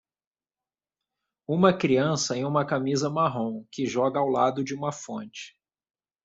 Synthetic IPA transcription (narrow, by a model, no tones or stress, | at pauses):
ũmɐkɾiɐ̃sɐẽj̃ũmɐkamizɐmaɦõw̃kɪʒɔɡɐawlad̪ʊd͡ʒɪũmɐfõnt͡ʃɪ̥